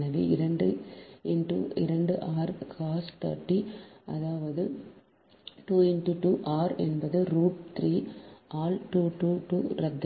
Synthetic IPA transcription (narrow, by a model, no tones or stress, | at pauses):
nɐʋḛːɪɾɐɳɖɯɪɳʈṵɪ̰ɾɐɳɖɯʔaːɾkaːsʈa̰ːʈːiɐ̰ðaːʋɐðɯ | ʈuːɪnʈuʈuːʔaːɾɛ̰nbɐðɯɾuːʈ̚t̪ɾiːaːlʈuːʈuːʈuːɾɐd̪ː